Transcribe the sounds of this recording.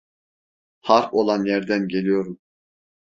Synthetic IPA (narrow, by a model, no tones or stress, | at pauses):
haɾo̞lˠanjæɾd̪ænɟe̞lʲijo̞ɾum